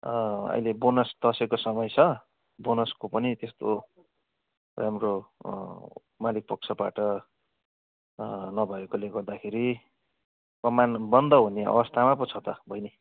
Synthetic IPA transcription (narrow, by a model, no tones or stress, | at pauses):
ʌ̰jlebonʌsd̪̥ʌsekosʌmʌjt͡sʰʌ | bonʌskopʌnit̪est̪o | ramro | malik̚pʌk̚t͡sʰʌba̰ʈʌ | nʌbʱʌekoleɡʌrd̪akʰeɾi | kʌmanbʌnd̪ʌɦuneʌ̰βʌst̪ʰamap̬ʌt͡sʰʌt̪ʌbʱʌjne